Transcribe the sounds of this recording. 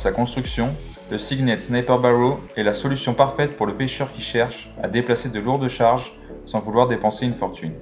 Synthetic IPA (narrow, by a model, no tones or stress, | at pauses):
sakɔ̃st̪χyksjɔ̃ | ləsiɡnɛt̪snɛpaʁbaʁoɛlasɔlysjɔ̃paʁfɛt̪̚puʁləpeʃœʁkʲiʃɛʁʃ | a̰d̪eplased̪əluʁd̪əʃaʁʒ | sɑ̃vulwaʁd̪epɑ̃seynfɔʁt̪ʰyn